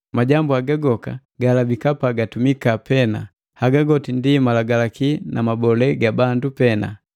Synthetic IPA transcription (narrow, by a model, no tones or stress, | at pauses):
maɟambuaɡaɡɔka | ɡalabikapaɡatumikapɛna | haɡaɡɔtindimalaɡalakinamabɔlɛɡabandupɛna̰